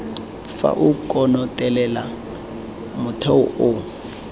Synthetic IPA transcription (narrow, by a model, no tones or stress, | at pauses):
fa̰ʔukʼɔnɔtʼɛlɛla | mʊtʰɛʊʊ